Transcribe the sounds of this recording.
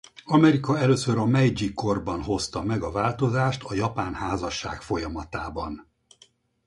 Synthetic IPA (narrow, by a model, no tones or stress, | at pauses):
ɒmɛɾikɒɛløːsøɾɒmɛjd͡ʒiko̞rbɒnɦo̞st̪ɒmɛɡɒvaːlt̪o̞zaːʃt̪ɒjɒpaːnhaːzɒʃːa̰ːkfo̞jɒmɒt̪aːbɒn